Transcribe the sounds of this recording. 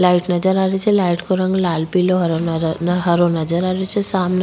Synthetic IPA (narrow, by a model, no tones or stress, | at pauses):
laiʈnəd͡ʒəɾaːɾet͡ʃʰelaiʈkoɾəŋɡlalpiloɦɾɦəɾonəd͡ʒəɾaɾet͡ʃʰesamn